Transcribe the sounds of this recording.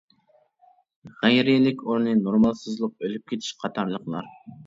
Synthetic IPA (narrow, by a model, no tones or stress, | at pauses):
ʁæjɾɪilɪkʲoɾnɨnoɾmɑlˠsɨzlˠəq̚ølyp̚kʲʰet̪ʰi̥ʃqʰɑt̪ʰɑɾlˠəqlˠɑ̰ɾ